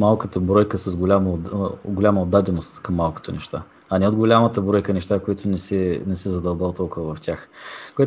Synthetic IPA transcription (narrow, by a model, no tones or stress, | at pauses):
malˠkət̪əbɾɔjkəsɐzɡʊlʲamɡolʲaməod̪ad̪ɛnost̪kɐmːalˠko̥t̪onɛʃt̪a | ɐnɛod̪ɡolʲamət̪əbɾɔjkənɛʃt̪akoit̪ʊnɛsɛnɛsɛzɐd̪ɐlˠbalˠt̪ɔlˠkʊvɐvɐft̪ʲjaxkojɛt̪